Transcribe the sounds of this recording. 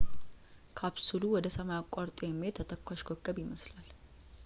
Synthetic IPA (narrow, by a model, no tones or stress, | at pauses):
kʰaβsuluwɔd̪əsəmajakʷʼːaɾt̪ʼojɛmːiet̪ʰːət̪ʰəkʰʷːaʃkʰokːəbjɪməslal